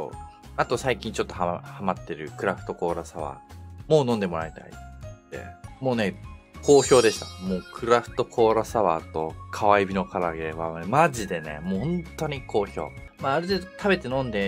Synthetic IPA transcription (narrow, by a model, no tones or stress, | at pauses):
so̞̰ː | at̪o̞saikʲĩɲ̟t͡ɕo̞t̪ːo̞hahamat̪ːe̞ɾɯ̟kɯ̟ɾaɸɯ̥t̪o̞ko̞ːɾasaβa̰ːmo̞ːnõnd̪e̞mo̞ɾait̪a̰ḭd̪̥e̞̰mo̞ːne̞ | kʰo̞ːço̞ːd̪e̞ɕi̥t̪ḁmo̞ːkʰɯ̟ɾaɸɯ̟̥t̪o̞kʰo̞ːɾasaβa̰ːt̪o̞kʰaβaibʲino̞kʰaɾaɡe̞βamaʑid̪e̞ne̞̰mõnt̪o̞ɲ̟ikʰo̞ːço̞̰ː | maːɾɯ̟t̪e̞ːd̪ot̪ʰabe̞t̪e̞nõ̞nd̪e̞